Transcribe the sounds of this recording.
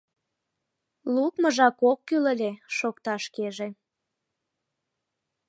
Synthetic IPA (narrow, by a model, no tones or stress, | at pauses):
lukməʒɑkokːylə̆lʲeʃokt̪ɑʃkeʒe